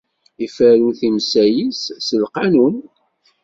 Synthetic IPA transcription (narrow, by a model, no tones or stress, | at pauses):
ifæɾuθimsæjisːəlqɑnun